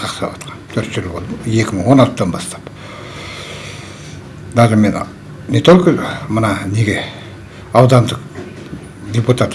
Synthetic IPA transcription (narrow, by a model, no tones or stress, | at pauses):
qʰɑqsɑwɑt̪qʰɑnt̪ʰɵɾt̪ʒɪlˠbo̞lˠd̪əje̞kʲɪməɴwo̞nɑlt̪əd̪ɑnbɑst̪ɑ̥p | d̪ɑʁəmen | net̪olʲkəmənɑne̞ɡʲe̞ | ɑwd̪ɑnd̪əq | d̪ʲeput̪at̪